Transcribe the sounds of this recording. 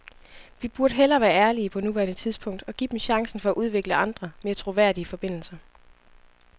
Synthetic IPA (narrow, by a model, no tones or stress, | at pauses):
ʋib̥uɐɾ̥əɦelɐːʋæːɐæɐliəpʰɒ̽nuʋæɐnət͡sʰið̞ˠsb̥pʰɔ̽ŋ̰d̥ɒ̽ɡ̥ḭd̥em̩ɕɑ̈ŋsn̩fɒ̽æʔuð̞ˠʋe̝ɡ̥ləʔɑ̈nd̥ʁɐme̝ːɐt͡sʰʁo̝ʋæɐ̰d̥iəfɒ̽b̥e̝n̰l̩sɐ